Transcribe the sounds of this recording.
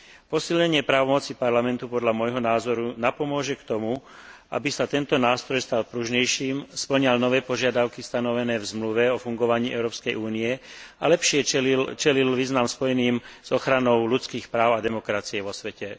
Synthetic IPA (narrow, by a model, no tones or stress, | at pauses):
pɔsilɲɛɲɪɛpɾaːʋɔmɔt͡sipaɾlamɛnt̪upɔd̪ʎamɔjɦɔnaːzɔɾunapɔmʊɔʒɛkt̪ɔmuʔa̰bisat̪ɛnt̪ɔnaːst̪ɾɔjst̪alpɾuʒɲɛjʃiːmspl̩ɲalnɔʋɛːpɔʒɪad̪aʊkist̪anɔʋɛnɛːvzmluʋɛɔfuŋɡɔʋaɲiːʔɛʊɾɔːpskɛjʔuːniɛalɛpʃɪɛt͡ʃɛlilʋiːznamspɔjɛniːmz̥ɔxɾanɔʊlut͡skiːxpɾaːʊad̪ɛmɔkɾat͡siɛʋɔsʋɛcɛ